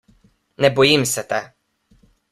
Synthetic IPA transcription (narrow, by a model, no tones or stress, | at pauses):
nɛbɔjimsɛt̪ɛ